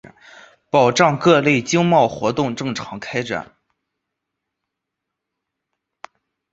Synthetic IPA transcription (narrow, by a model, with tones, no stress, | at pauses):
pɑ˨˩ʊʈ͡ʂɑ˥˧ŋkɤ˥˧le˥˩ɪt͡ɕi˥ŋmɑ˥˩ʊxwɔ˧˥t̪ʊ˥˧ŋʈ͡ʂɤ˥˩ŋʈ͡ʂʰɑ˧˥ŋkʰa˥ɪʈ͡ʂa̰˨˩˦n